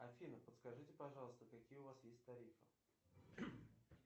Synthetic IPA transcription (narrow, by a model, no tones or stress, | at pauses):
ɐfʲinəpət̪skɐʐɨtʲɪpɐʐɑlˠəst̪əkɐkʲijəʊvasjesʲtʲt̪ɐɾʲifɨ